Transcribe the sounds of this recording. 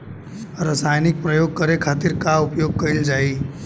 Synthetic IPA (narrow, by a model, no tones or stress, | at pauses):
ɾəsajnɪk̚pɾəjoɡ̚kəɾekʰat̪iɾkaupjoɡ̚kəɪld͡ʒai